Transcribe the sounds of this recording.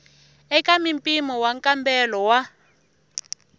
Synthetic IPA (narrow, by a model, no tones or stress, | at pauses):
ɛkamimpʼimɔwaŋkʼambɛlɔwa